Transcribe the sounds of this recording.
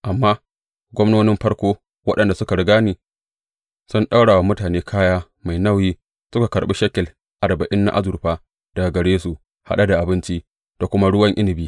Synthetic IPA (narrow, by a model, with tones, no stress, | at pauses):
ʔa˨mːaː˦ | ɡʷɔ˦mnoː˦nɪ˦mɸɐ˦ɽkʷoː˦ | wɐ˦ɗɐ˨nda˨sʊ˦ka˨ɽɪ˨ɡaː˦niː˨ | sʊ˦nɗa˦wɽaː˨wa˨˦mʊ˦taː˨neː˦kʰaː˦jaː˦ | ma˨jna˦˨wjiː˦ | sʊ˦ka˨kɐ˨ɾɓi˦ʃɐ˦kʲɛ˨l | ʔa˨ɾbɐ˨ʔɪ˦nːa̰˦ʔa̰˦zʊ˨ɾɸaː˦ | d̥ɐ˨a˨ɡɐ˨ɽeː˦su˨ | ha̰˦ɗa˦da˨ʔa˨bɪ˦nt͡ʃi˦ | d̥a˨kʷʊ˦ma˦ɽʊ˦wɐ˦ŋʔɪ˦nɪ˨biː˦